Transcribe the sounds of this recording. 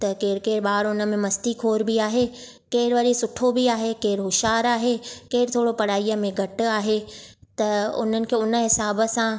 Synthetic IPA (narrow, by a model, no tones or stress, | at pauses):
t̪ɐkeːɾkeːɾɓaːɾʊnə̆mẽmɐst̪ikʰoːɾbiaːɦe | keːɾʋɐɾisʊʈʰːobiaːɦekeːɾɦʊʃaːɾaːɦekeːɾt̪ʰoːɽopɐɽaːijəmẽɡʱɐʈʊ̆aːɦet̪ɐʊ̰n̤ənɪ̆kʰeːʊnə̆ɦɪsaːbə̆sã